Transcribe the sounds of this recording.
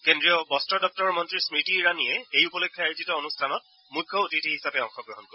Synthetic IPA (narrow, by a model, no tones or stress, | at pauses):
kendɹiɔbɔstɔdɔk̚tɔɹmɔntɹismitiɹaniɛejupɔlekʰːjɔajzitɔonustʰanɔt̚ | mukʰːjɔutitihisapɛɔŋxɔɡɹɔɦɔnkoɛ